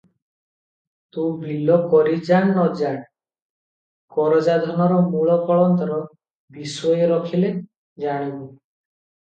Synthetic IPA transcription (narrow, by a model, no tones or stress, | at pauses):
t̪ubʱilɔkɔɾid͡ʒaɳːɔd͡ʒaɳ̃ | kɔɾɔd͡ʒad̪ʱɔnɔɾɔmuɭɔkɔɭɔnt̪ɔɾɔ | bisɔjɔɾɔkʰile | d͡ʒaɽ̃ibu